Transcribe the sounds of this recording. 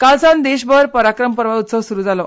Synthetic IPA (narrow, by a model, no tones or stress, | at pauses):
kalsãnd̪eɕbəɾpəɾakɾəmpəɾʋaut̪səʋsuɾuːd͡zalɔ